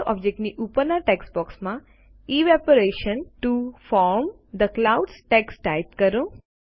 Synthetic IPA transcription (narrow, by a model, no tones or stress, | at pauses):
ʔɔ̰b̚d͡ʒek̚ʈniʔupəɾnaɾʈeksbɔksmã | iʋɛpəɾeʃənʈufɔɾm | d̪əklauɖsʈeksʈajt̪kəɾõ